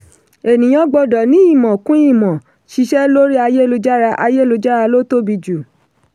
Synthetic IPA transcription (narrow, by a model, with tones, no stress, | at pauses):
e˨nĩ˨j̃ɔ̃˦ɡ͡bɔ˧˨dɔ˨nĩ˦i˦˨mɔ̃˨kũ˦i˦˨mɔ̃˨ | ʃi˧˦ʃɛ˦lo˦ɾi˦a˧je˦lo˧d͡ʒa˦ɾa˧ʔa̰˧je˦lo˧d͡ʒa˦ɾa˧lo˦to˦bi˧d͡ʒu˨